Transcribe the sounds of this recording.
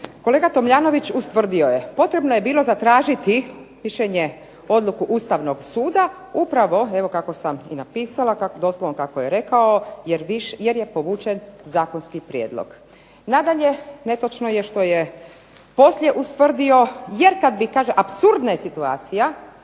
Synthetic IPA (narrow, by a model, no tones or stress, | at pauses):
ko̞leːɡat̪o̞mʎaːno̞ʋit͡ɕust̪ʋr̩d̪iojepo̞t̪ɾe̞bnoje̞biːlˠo̞zat̪ɾaːʒit̪imiʃeɲe | o̞d̪lukuʔust̪aʋno̞ɡsuːd̪a | upɾaʋo̞e̞ʋo̞kako̞samḭnapiːsalˠakad̪o̞slˠoʋonkakojeɾe̞kaojeɾʋiʃjeɾjepo̞ʋuːt͡ʃenzaːko̞nskipɾjeːd̪lˠo̰ɡ̥ | nad̪aʎe̞ne̞t̪ot͡ʃnojeʃt̪o̞je | po̞slʲʎjeʔust̪ʋr̩d̪io̞jeɾkad̪bikaːʒeʔapsuɾd̪najesit̪uaːt̪sija